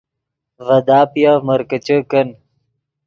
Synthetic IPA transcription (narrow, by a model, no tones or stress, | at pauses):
vɐd̪aːpjavmɐɾkət͡ɕəkɐn